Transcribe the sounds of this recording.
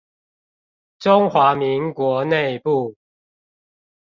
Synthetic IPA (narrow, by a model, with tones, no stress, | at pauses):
ʈ͡ʂʊ˦ŋxwa˨˦mi˨˦ŋkwɔ˨˧˦ne˥˨ɪpu˥˨